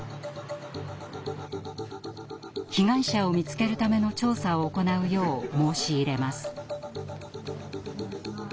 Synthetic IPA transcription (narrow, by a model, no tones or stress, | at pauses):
çiɡãɰ̃ɕao̞mʲit͡sɨ̥ke̞ɾɯ̟t̪ame̞no̞t͡ɕo̞ːsao̞ːko̞naɯ̟jo̞ːmo̞ːɕiːɾe̞masɨ̥